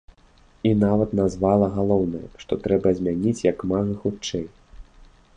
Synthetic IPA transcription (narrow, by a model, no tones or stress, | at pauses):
inavɐt̪nazvalˠɐɣalˠɔwnɐjɐ̰ʂt̪ɔt̪ɾɛbɐzʲmʲanʲit͡sʲjɐkmaɣɨxut͡ʂɛj